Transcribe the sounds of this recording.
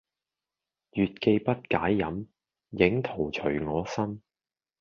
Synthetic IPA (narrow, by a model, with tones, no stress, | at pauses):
jyː˨t̚ke˧jpɐ˥t̚kaː˨˥jːɐ˨˥m | jɪ˨˥ŋt̪ʰo˨˩wt͡ʃʰɵ˨˩ɥŋɔː˨˧sɐ˥n